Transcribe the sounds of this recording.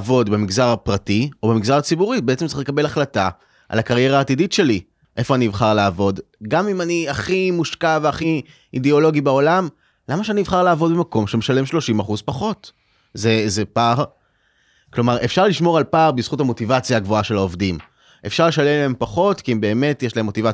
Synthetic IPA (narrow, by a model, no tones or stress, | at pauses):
vo̞dbemiɡzaʁapʁatio̞bemiɡzaʁat͡sibuʁibeett͡semtt͡siχlekabe̞laχlata | ʔa̰lakaʁje̞ʁaːtiditʃe̞li | ʔe̞fo̞aniivχaʁlaːvo̞d | ɡamimaniaχimuʃkaveaχi | ideo̞lo̞ɡibao̞lam | lamaʃeaniivχaʁlaːvo̞dbemako̞mʃemeʃalemʃlo̞ʃimaχuzpaχo̞t | zezepaʁ | klo̞maʁefʃaʁliʃmo̞ʁalpaːʁbiz̥χutamo̞tivat͡sjaɡvoaʃe̞laovdim | ʔe̞fʃaʁle̞ʃalemleempaχo̞tkiimbe̞ːme̞tjeʃlaɦemːo̞tiva